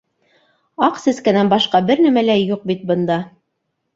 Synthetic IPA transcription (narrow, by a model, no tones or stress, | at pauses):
ɑqsɘ̆skænænbɑʃqɑbɘɾnæmælæjuq̚bit̪̚bɤ̆nd̪ɑ